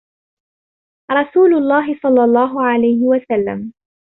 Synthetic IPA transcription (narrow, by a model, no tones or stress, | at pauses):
ɾˤɑsuːlʊlˤːɑːɦɪsˤɑlːɑlˤːɑːɦʊʕalajhɪwasalːa̰m